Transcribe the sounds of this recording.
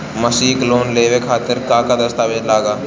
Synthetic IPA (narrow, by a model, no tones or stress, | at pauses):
məsiːkloːnleːʋekʰaːt̪ɪɾkaːkad̪əst̪aːʋed͡ʒlaːɡaː